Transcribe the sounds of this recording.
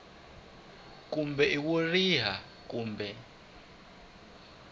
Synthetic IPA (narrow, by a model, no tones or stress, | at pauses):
k̬ʼumbʱɛʔiw̬uriɦa | k̬ʼuːmbɛ